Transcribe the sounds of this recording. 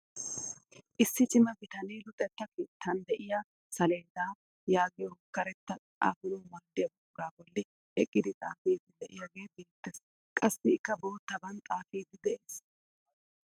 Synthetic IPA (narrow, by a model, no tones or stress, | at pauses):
ʔɪsːɪt͡ʃʼɪmɐbɪt̪ɐneːlʊt̪ʼːɛt̪ːɐkeːt̪ʰːɐnd̪ɛʔɪja | sɐleːd̪aː | jaːɡɪjɔkɐɾɛt̪ːɐ | a̰ːfʊloːmɐɾd̪ɪjɐbʊɡaːbɔlːɪ | ɛkʼːɪd̪ɪt̪ʼaːfeːd̪ɪd̪ɛʔɪjɐɡe̞ːbeːt̪ːes | kʼɐsːɪɪkːɐbo̞ːt̪ːɐbɐnt̪ʼaːfiːd̪ɪd̪ɛʔeːs